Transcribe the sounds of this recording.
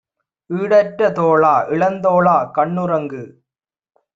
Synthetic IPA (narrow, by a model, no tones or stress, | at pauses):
iːɽɐʈɾɐt̪oːɭaːʔɪɭɐnd̪oːɭaːkɐɳːɯɾɐŋɡɯ